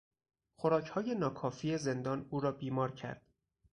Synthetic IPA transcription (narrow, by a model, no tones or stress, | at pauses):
xoɾɒːcʰhɒːje̞nɒːkʰɒːfiːe̞ze̞nd̪ɒːnuːɾɒːbiːmɒːɾcʰæ̰ɾd̪̥